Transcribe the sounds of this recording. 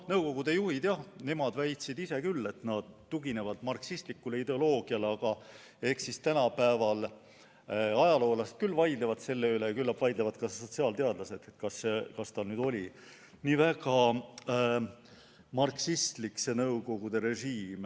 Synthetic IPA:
nɤwko̞ɡ̥ud̪e̞juhid̪̥jɑhne̞mɑd̪væjt̪sid̪ise̞kylːe̞t̪nɑd̪̥t̪ːuɡine̞vɑd̪̥mɑrksist̪likːˑule̞id̪e̞o̞lo̞ːɡ̥iɑleɑɡ̥ɑ | e̞hksist̪ænɑpæevɑl | ɑjɑlo̞ːlɑst̪̚kylːvɑjd̪levɑd̪se̞lːeylejɑkylːɑpvɑjd̪levɑd̪kɑso̞t̪siɑːlt̪eɑd̪lɑse̞d̪̥et̪kɑskɑst̪ɑnyːd̪̥o̞lʲi | niːvæɡ̥ɑ | mɑrksist̪likse̞nɤwɡo̞ɡ̥ud̪e̞ɾe̞ʒiːm

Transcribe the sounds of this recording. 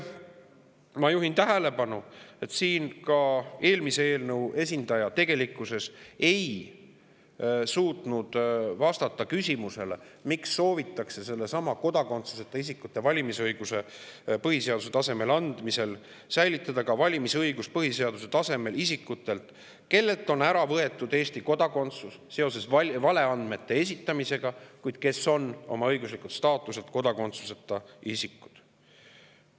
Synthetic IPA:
mɑjuɦint̪æɦele̞pɑnue̞t̪siːnkɑe̞ːlmisee̞ːlnɤwe̞sʲind̪̥ɑjɑt̪e̞ɡ̥e̞likːˑuse̞se̞j | suːt̪ˑnud̪̥vɑst̪ɑt̪ˑːɑkysʲimuse̞le̞̰miksːo̞ːvit̪ːˑɑkse̞se̞lːe̞sɑmɑko̞d̪ɑko̞nt̪suset̪ːˑeis̬ikːut̪ːˑe̞vɑlʲimisɤjɡ̥use̞ | pɤɦise̞ɑd̪uset̪ɑse̞me̞lɑnd̪̥mise̞l | sæjlit̪ːˑɑd̪̥ɑkɑvɑlʲimisɤjɡuspɤɦise̞ɑd̪̥us̬e̞t̪ɑse̞me̞lisikːut̪ːˑe̞lt̪ | ke̞lːe̞lt̪ːˑo̞næɾɑvɤe̞t̪ːˑud̪̥eːst̪iko̞d̪̥ɑko̞nt̪susːe̞o̞s̬e̞svɑvɑle̞ɑnd̪̥me̞t̪ːe̞esʲit̪ːˑɑmise̞ɡ̥ɑkujd̪̥̚ke̞so̞no̞̰mɑɤjɡuslikut̪st̪ɑːt̪ːˑuse̞t̪ko̞d̪ɑko̞nt̪su̥se̞t̪ːˑɑisikːˑud̪̥

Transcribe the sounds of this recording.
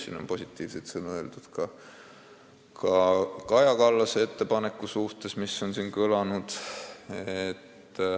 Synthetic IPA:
sḭːno̞̰po̞sʲit̪ːˑiːv̥set̪sɤnueld̪ud̪̥kɑ | kʰɑkɑjɑkɑlːɑseet̪ːe̞pɑne̞kˑːusuht̪e̞smisːo̞nsiːnkølɑnud̪̥ | et̪ː

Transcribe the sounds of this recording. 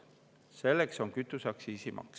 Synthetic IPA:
se̞lːekso̞ŋkyt̪ːˑusɑksiːsimʔɑ̰ks

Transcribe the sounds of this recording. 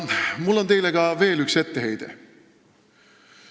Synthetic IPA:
mulːo̞nt̪e̞jleɡ̥ɑve̞ːlykse̞t̪ːeɦe̞jd̪̥ḛ

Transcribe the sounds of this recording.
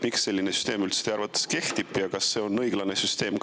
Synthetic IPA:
miksːe̞lʲːinesy̥st̪e̞ːmylt̪st̪eɑrɾvɑt̪ːˑe̥ske̞ht̪ibˑjɑkɑsːe̞ːo̞nːɤjɡ̥lɑne̞syst̪e̞ːmk

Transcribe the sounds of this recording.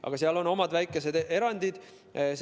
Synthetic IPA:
ʔɑ̰ɡ̥ɑseɑlo̞no̞mɑd̪̥væjkːˑe̞se̞d̪e̞ɾɑnʲd̪̥id̪̥ | s

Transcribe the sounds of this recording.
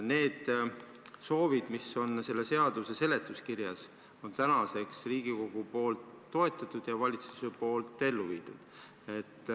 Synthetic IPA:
ne̞ːd̪̥ | so̞ːvid̪̥miso̞nse̞lːe̞se̞ɑd̪̥use̞se̞le̞t̪ˑːuskirjɑs | o̞nt̪ænɑse̞ksriːɡ̥iko̞ɡ̥upo̞ːlt̪ːo̞e̞t̪ːˑɑt̪ˑud̪̥jɑvɑlʲit̪su̥sepo̞ːlt̪ːˑe̞lːuvḭːd̪̥ud̪̥ | e̞t̪ː

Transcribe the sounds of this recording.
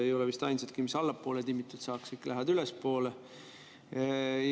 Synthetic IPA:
e̞jo̞levist̪ɑjnset̪kimisɑlːɑpːˑo̞ːlet̪imːit̪ːˑut̪sɑːksikːlʔæɦɑd̪ylespo̞ːle

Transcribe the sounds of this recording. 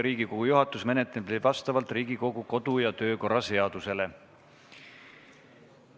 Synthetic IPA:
ɾiːɡikoɡ̥ujuɦɑt̪ːˑusme̞net̪ːˑeplivɑst̪ɑvɑlt̪ˑrɾiːɡiko̞ɡuko̞d̪̥ujɑt̪ø̞ːko̞rɑse̞ɑd̪̥use̞le̞

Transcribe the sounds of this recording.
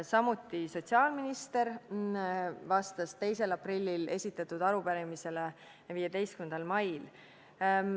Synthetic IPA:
sɑmut̪ːˑiso̞t̪siɑːlminist̪e̞ɾ | vɑst̪ɑst̪e̞jse̞lɑprilʲːile̞̰sʲit̪ːˑɑt̪ːˑud̪̥ɑɾupæɾemise̞le | viːjed̪e̞jst̪̚kymend̪ɑlmɑjl

